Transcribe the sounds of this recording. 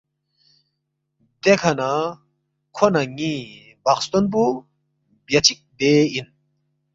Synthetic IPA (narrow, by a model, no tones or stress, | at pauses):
d̪ekʰɐna | kʰonɐŋi | bakst̪ɔnp̬u | bjɐt͡ɕʰik̚d̪ein